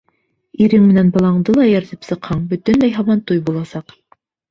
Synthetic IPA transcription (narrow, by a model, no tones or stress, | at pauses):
iɾɘŋmɘ̆nænbɑlˠɑɴd̪ɤlˠɑjæɾt̪ɘpsɤ̆qhɑɴbɵ̆t̪ɘ̆nlæjɦɑwɑnt̪ujbulˠɑsɑq